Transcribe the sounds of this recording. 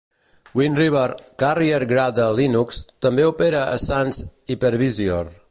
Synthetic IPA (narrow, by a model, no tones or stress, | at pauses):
winriβəɾkarieɾɡɾaðəlinukst̪əmbeupeɾəʔə̰sanzipəɾβizior